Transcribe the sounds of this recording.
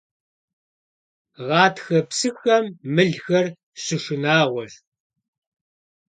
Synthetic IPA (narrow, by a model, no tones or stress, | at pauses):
ʁɑːtxɐpsɨxɐmːɨɮxɐr | ɕɪʂɪnaːʁʷɔʒ